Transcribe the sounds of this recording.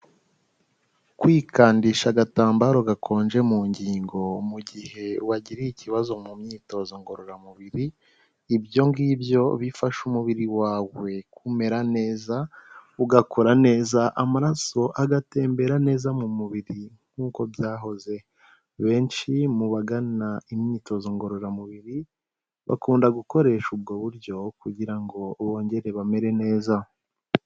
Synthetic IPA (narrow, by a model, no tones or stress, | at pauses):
kwiːkʰaːndiʃaɡataːmbaːɾoɡakʰo̞ːnd͡ʒe̞muːɲɟiːŋɡo̞muɟihe̞waɟiɾiiciβazo̞mumɲiːto̞zo̞ŋɡo̞ɾoɾamuβiɾiː | bjo̞ŋɡibjo̞βifaʃumuβiɾiwaːwe̞kume̞ɾane̞ːzauɡakʰoɾane̞ːzaʔamaɾaso̞ʔaɡate̞ːmbe̞ɾane̞ːzamumuβiɾiŋ̥uːko̞βjaːɦo̞ze̞ | βe̞ːnʃimuβaɡanaimɲiːto̞zoŋɡo̞ɾo̞ɾamuβiɾi | βa̰kuːndaɡuko̞ɾe̞ʃub̚ɡo̞βuɾɟo̞kuɟiɾaŋɡo̞βo̞ːɲɟe̞ɾe̞βame̞ɾe̞ne̞ːza